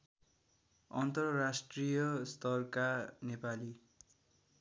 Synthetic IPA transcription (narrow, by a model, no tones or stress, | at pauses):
ʌnt̪ʌrrasʈrijʌst̪ʌrkanepali